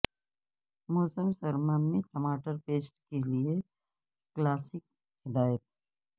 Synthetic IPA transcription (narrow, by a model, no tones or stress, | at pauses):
moːsəmsɐɾmaːnmẽʈɐmaːʈəɾpeːsʈkelie | klaːsɪk̚ | hɪd̪aːjət̪̚